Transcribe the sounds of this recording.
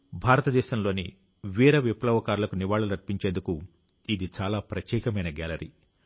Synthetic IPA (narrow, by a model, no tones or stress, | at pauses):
bʱaːɾɐt̪ɐd̪ɛːʃɐmlo̞ːni | ʋiːɾɐʋiplɐʋɐkaːɾulɐkuniʋaːɭɐlɐɾpiɲt͡ʃeːnd̪uku | id̪it͡ʃaːlaːpɾɐt̪jɛːkɐmɐjnɐɡa̰ːlɐɾḭ